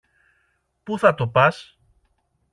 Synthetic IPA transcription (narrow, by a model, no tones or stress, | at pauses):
puθɐt̪o̞pɐs